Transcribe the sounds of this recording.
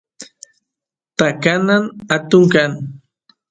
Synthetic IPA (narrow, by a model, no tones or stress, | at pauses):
t̪akananat̪ʊŋkan